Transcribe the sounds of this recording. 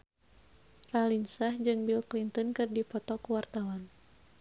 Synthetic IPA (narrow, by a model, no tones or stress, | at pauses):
ralinsahd͡ʒɨŋbilklint̪ənkɨrdipɔt̪ɔkuwart̪awan